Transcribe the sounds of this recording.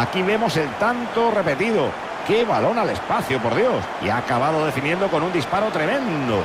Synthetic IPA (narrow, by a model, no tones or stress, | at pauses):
akiβe̞mo̞se̞lt̪ant̪ore̞pe̞t̪iðo | ke̞βalo̞nale̞spaθjopo̞ɾðjo̞sḭaːkaβað̞oðe̞finjend̪o̞ko̞nund̪ispaɾot̪ɾe̞mẽnd̪o̰